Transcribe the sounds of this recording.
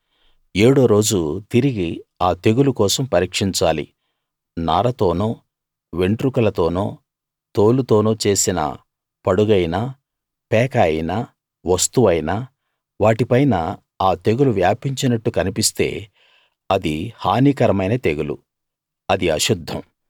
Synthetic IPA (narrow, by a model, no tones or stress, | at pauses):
eːɽo̞ːɾo̞ːd͡ʒut̪iɾiɡiaːt̪e̞ɡulukɔːsɐmpɐɾiːkʂiɲt͡ʃaːlḭ | naːɾɐt̪o̞ːnoː | ʋe̞ɳʈɾukɐlɐt̪o̞ːnoː | t̪oːlut̪o̞ːnoːt͡ʃe̞ːsinɐ̰ | pɐɽuɡɐjna | pɛːkɐjina | ʋɐst̪uʋɐjnaː | ʋaːʈipɐjnɐ | aːt̪e̞ɡuluʋjaːpiɲt͡ʃinɐʈːukɐnipist̪e̞̰ː | ɐd̪ihaːniːkɐɾɐmɐjnɐt̪e̞ɡulṵ | ɐd̪iɐʃud̪ʱːɐm